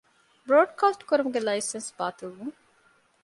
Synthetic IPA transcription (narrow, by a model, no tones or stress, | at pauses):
bɾoːɖkaːsʈkuɾumuɡelɐjsensbaːt̪ulʋuŋ